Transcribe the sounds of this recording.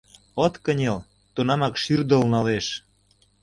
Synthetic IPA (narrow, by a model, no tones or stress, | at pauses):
ot̪kə̆nʲel | t̪unɑmɑkʃyrd̪ə̆lnɑleʃ